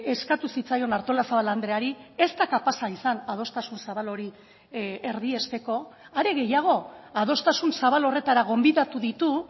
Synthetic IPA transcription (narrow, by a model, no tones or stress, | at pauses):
e̞skat̪usit͡sajo̞naɾt̪o̞lasaβaland̪ɾe̞aɾie̞st̪akapasaisanað̞o̞st̪asunsaβalo̞ɾi | eɾðie̞st̪e̞ko̞ | aɾe̞ɣe̞jaɣ̞o̞að̞o̞st̪asunsaβalo̞re̞t̪aɾaɣ̞o̞mbiðat̪uðit̪u